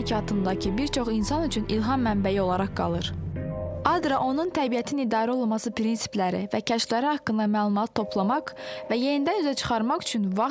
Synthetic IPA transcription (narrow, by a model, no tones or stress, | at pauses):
cʰɑːt̪ʰɯnd̪ɑcʰɯbiɾt͡ʃʰo̞χinsɑnyt͡ʃʰynilɦɑmːæmbæjio̞lˠɑɾɑχɡ̥ɑ̰lˠɯɾ | ɑd̪ɾɑʔo̞nunt̪ʰæbijæt̪ʰinid̪ɑːɾæo̞lˠlmɑsɯpɾinsi̥plæɾḭvæcʰæʃflæɾihɑkːɯnd̪ɑmæːlˠumɑt̪ʰːo̞pʰlˠɑmɑqvæje̞nind̪ænyzæt͡ʃʰɯ̥χɑɾmɑχy̥t͡ʃʰynvɑ